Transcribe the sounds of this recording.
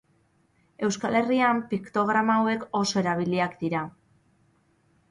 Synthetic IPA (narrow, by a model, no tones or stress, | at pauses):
e̞wskale̞riampikt̪o̞ɣ̞ɾamawe̞ko̞so̞e̞ɾaβ̞iliakd̪iɾa